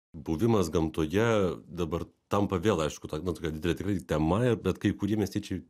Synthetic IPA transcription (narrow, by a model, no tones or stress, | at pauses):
buʋʲɪmɐsɡɐmt̪oːjɛd̪ɐbɐrt̪ɐmpɐʋʲeːlˠɐɪʃkʊt̪onɐt̪oːkʲɛd̪ʲɪd̪ʲɛlʲɛt̪ʲɪkrɐɪt̪ʲɛmɐɪɾbʲɛt̪kɐɪkʊɾʲiɛmʲiɛsʲt̪ʲɛɪt͡ʃʲɛɪ